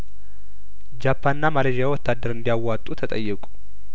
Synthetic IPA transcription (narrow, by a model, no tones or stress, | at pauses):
d͡ʒapʰːanːamaleʒijawɔt̪ːad̪ːəɾɨnd̪ijawːat̪ʼut̪ʰət̪ʼəjːɨkʼu̥